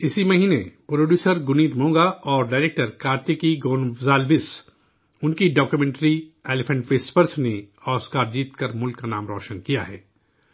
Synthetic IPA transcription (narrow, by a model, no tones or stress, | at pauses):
ɪsimɐɦiːnepɾoːɖjuːsəɾɡʊniːt̪mõːɡaɔːɾɖaːɪɾeːk̚ʈəɾkaːɾt̪ekiɡoːnʋzaːlʋɪs | ʊnkiɖɔːkjumẽːɳʈɾieːlɪpʰə̃ɳʈʋeːspəɾsne | ɔːskaːɾd͡ʒiːt̪kəɾmʊlkːanaːmɾɔːʃənkijaɦɛ̰ː